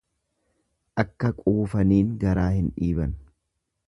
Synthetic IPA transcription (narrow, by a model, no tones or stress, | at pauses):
ʔɐkːɐkʼuːfɐniːŋɡɐɾaːhɪnᶑiːbɐn